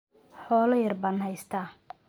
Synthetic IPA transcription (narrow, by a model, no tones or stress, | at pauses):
ħɔːlɐjɐrbɐːnhɛjst̪ʰaː